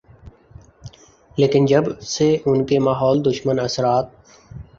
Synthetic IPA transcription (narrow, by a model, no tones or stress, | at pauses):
leːkɪnd͡ʒəbseʊnkemaːɦɔːld̪ʊʃmənəsɾaːt̪̚